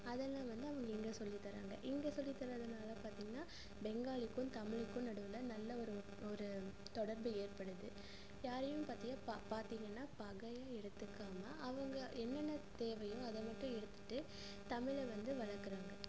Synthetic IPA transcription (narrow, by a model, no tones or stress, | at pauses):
ɐðɛlːãːʋɐnd̪ɯɐʋɐŋɡɐɪŋɡesɔlːɪt̪ːɐɾa̰ːŋɡɐ̰ʔɪŋɡesɔlːɪt̪ːɐɾɐɐðɐnaːlɐpaːɾt̪iːŋɡɐnːaː | bɛŋɡaːlɪkːɯ̃mt̪ɐmɪɻɯkːɯ̃nɐɽɯʋɯlɐnɐlːɐɔɾɯ | ɔɾɯ | t̪ɔɽɐɾbɯeːɾpɐɽɯðɯ | jaːɾɛjʊ̃mpaːɾt̪ɪŋɡɐpapaːɾt̪iːŋɡɐnːaːpɐɣɐjaːɛɽɯt̪ːɯkːaːmɐʔːʋɐŋɡɐʔɛnːɐnːɐt̪eːʋɐjõːɐðɐmɐʈːʊ̃ɛɽɯt̪ːɯ̥ʈːɯ | t̪ɐmɪɭɛʋɐnd̪ɯʋɐɭɐkːɯɾaːŋɡɐ